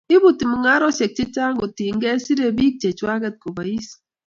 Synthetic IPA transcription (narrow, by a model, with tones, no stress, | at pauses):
i˦bu˨ti˨mu˨ŋa˦ɾɔ˦se˨k̚t͡ʃi˦t͡ʃa˦ŋo˨ti˨ŋ̩˦ɡe˦si˦ɾe˦bi˦k̚t͡ʃe˨t͡ʃwa˦ɡe˦˨t̚ko˨ba˨i˦s